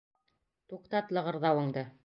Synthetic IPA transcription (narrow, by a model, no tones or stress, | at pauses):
t̪uqt̪ɑt̪lˠɤ̆ʁɤ̆ɾðɑwɤ̆ɴd̪ɤ